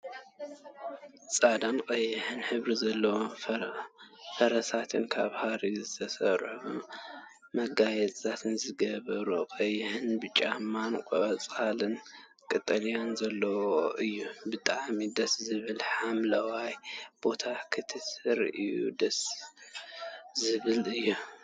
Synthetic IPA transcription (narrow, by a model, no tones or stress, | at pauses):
t͡sʼad̪anqʼɐjːɪħɨnħɨβɾizɐlːɐwo | fɐɾɐsat̪ʰɨnkʰa̰βhaɾizɨt̪ʰɐsɐɾħu | mɐɡajɛt͡sʼʰat̪ʰɨnzɨɡɐβɐɾuqʼɐjːɪhɨnbɨt͡ʃʼamːankʼɐβɐt͡sʼalɨn | kʼɨt̪ʼːɐlijanzɐlːɐwooʔɨjːubɨt̪ʼaʕmid̪ɐszɨβɨlħamlɐwajb̥o̞t̪ʰakʰɨt̪ʰɨsɨɾɨjːṵd̪ɐs | zɨβɨlɨjːu